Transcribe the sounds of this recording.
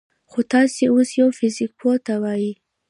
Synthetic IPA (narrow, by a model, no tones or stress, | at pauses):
xot̪ɑseosjawfɪzɪk̚pʰot̪awɑji